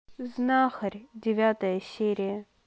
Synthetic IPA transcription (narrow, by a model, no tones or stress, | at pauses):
znaxərʲdʲɪvʲat̪əjəsʲeɾʲɪjə